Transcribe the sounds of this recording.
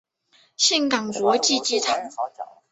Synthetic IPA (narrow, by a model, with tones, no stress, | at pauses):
ɕɛ˥˩nkɑ˨˩ŋkwɔ˧˥t͡ɕi˥˧t͡ɕi˥˩t̪ʰa˧˥ŋ˧